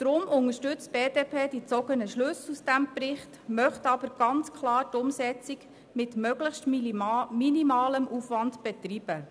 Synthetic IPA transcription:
d̥̪ɾʊmʊŋəʃtʏt͡st̚b̥eːdeːpʰeːdit͡sɔɡənəʃlʉsusd̥æmprɪχtmœχtɑbəɾɡ̥ɑnt͡skʰlɑːɾtʊmsɛt͡sik | mɪtmœɡ̥ləχtminimɑːləmʔufʋɑndb̥ɛtriːb̥ə

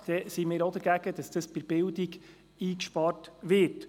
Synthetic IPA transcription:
d̥ɛsimɪːɾod̪əɾɡæɡ̥əd̥ɑsd̥əspɪɾb̥ɪldiɡ | iːkʃpɑːɾtʋɪɾt

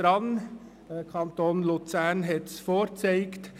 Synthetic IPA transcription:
ɾɑn | kʰɑnt̪oːnlut͡sænɦɛt̪sfoːt͡seɪkt

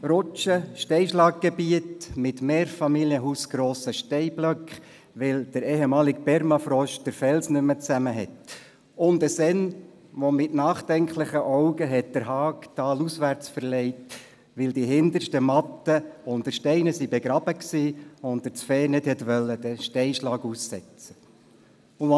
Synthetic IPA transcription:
ɾɔt͡ʃəʃtɛɪʃlɑːk̚ɡ̥ɛbiətmɪtmeːɾfɑmiljəɦuːsɡ̥ɾoːsəʃtɛɪblœkχ | ʋɪld̥əɾɛːɦɛmɑːlɪkpɛɾmɑfɾɔʃd̥əɾfɛlsnʏmət͡sæməɦɛt | ʊndəsɛn | ʋomɪtnɑːχd̥ɛŋkʰlɪχəʔɔʊɡəɦɛt̚d̥əɾɦɑːktɑːlusʋæɾt͡sfəɾlɛɪt | ʋɪldiɦɪndəɾʃtəmɑtːəʊntəʃtɛɪnəsibɛɡɾɑb̥əksiːʊntdəɾt͡sfɛːnɪthɛtʋœlːəd̥əʃtɛɪʃlɑːɡusːɛt͡sə | ʊ

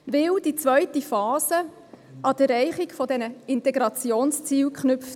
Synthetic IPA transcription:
ʋɪld̥it͡svœʏtifɑːzə | ʔɑd̥əɾɛɪχiɡfɔdɛnəɪntɛɡɾɑt͡sjoːnst͡siːwkχnʏpft

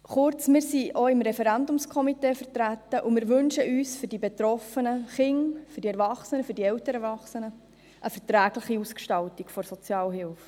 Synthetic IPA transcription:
χʊɾt͡smɪːɾsiʔoɪmɾɛfɛɾændʊmskʰɔmiteːfəɾtɾætːəʔumɪːɾʋɵnʃəʔyːsfʏɾd̥ibetɾɔfənəχɪŋfyɾdiɛɾvɑχsənəfʏɾdiɛwtəɾɛɾvɑχsənə | ʔəfɛɾtɾæːɡ̥lɪχiuskʃtɑltikfɔɾsɔt͡sjɑːlɦɪlf

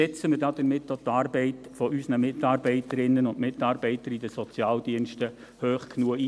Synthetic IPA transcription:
ɛt͡səməɾdɑd̥̪əɾmɪtːot̪ɑːɾbɛɪtfɔʔysnəmɪtɑːɾbɛɪtəɾɪnːənʊndmɪtɑːɾbɛɪtəɾidəsɔt͡sjɑːld̥iənʃtə | høːχkʰnuəi

